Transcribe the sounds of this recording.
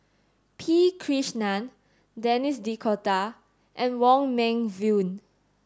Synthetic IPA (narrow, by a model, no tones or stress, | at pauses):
pʰikʰɹiʃnãn | dɛnisdikʰɔta | ʔɛ̃nwɔ̃ŋmɛ̃ŋvjũn